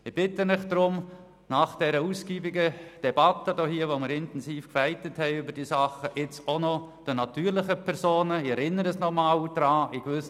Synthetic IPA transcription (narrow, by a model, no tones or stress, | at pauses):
ɪb̥ɪtənɪχd̥ɾʊm | nɑχd̥ɛɾəusɡ̥iːbɪɡəd̥ɛbɑtːədohiːəʋomɪɾɪntɛnsiːfkfæɪtəthɛɪybəɾd̥iːsɑχəʔɪt͡sonɔd̥ənɑtyːɾlɪχəpʰɛɾsoːnəɪɛɾɪnːəɾəsnɔmald̥ɾɑːɪɡvʏs